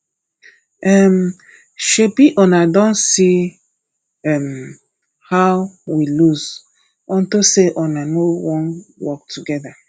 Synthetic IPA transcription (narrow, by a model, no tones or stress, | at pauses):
ɛm | ʃebiʔɔnadɔ̃nsi | ɛm | hawwiluz | ɔ̃ntoseʔɔnanowɔ̃nwɔk̚tʰuɡɛða